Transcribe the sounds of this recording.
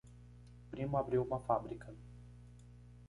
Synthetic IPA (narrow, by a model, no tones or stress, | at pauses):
pɾimʊabɾiwumɐfabɾikʰɐ